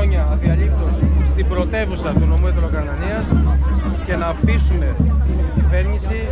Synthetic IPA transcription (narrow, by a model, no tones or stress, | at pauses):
oɲɐðiɐʎift̪o̞sst̪ibɾo̞t̪e̞vusɐt̪uno̞muet̪ɾo̞kɐnɐniɐsce̞nɐpisume̞iɟive̞ɾɲisi